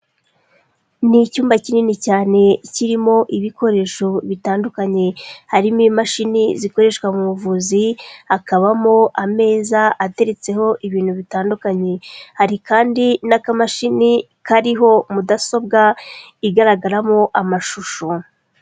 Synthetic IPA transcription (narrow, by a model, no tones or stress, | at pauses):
nicuːmbacininicaːne̞ciɾimo̞ʔiβiko̞ɾe̞ʃoβitaːndukaɲe̞haɾimimaʃiniziko̞ɾe̞ʃkwamumuvuːziakaβamoʔame̞ːzaʔate̞ɾe̞t͡se̞ho̞ʔiβiːn̥huβitaːndukaɲe̞haɾikaːndinakamaʃini | kaɾiɦo̞mudaso̞b̚ɡa | iɡaɾaɡaɾamo̞ʔamaʃuʃo